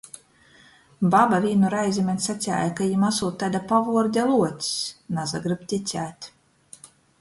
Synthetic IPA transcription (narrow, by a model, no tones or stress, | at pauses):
babavʲiːnuɾajzʲimʲɛnʲsat̪sʲa̰ːjakajimasuːt̪ːad̪apavuɔɾd̪ʲalˠuɔt̪ʲsnazaɡɾɨpt̪ʲit̪sʲæːt̪ʲ